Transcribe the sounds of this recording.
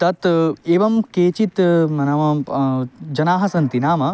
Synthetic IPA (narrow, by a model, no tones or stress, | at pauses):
t̪ɐt̪eːʋɐmkeːt͡ʃit̪mɐnɐʋɐ | d͡ʒɐnaːɦɐsɐnt̪inaːmɐ